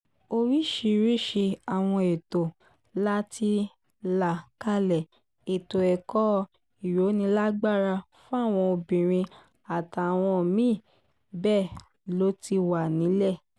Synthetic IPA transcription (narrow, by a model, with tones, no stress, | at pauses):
o˧ɾi˦˨ʃi˧ɾi˦ʃe˧a˨w̃ɔ̃˧e˨to˨ | la˦ti˧ | la˨ka˦lɛ˨ | e˨to˨ɛ˨kɔ˦ | i˨ɾo˨˦nĩ˧˦la˦ɡ͡ba˦˨ɾa˧ | fũ˦a˦˨w̃ɔ̃˧o˧bĩ˨ɾ̃ĩ˧ | a˨ta˨w̃ɔ̃˧˨mĩː˦˨ | bɛ˦˨ | lo˨˦ti˧wa˨nĩ˨˦lɛ˦˨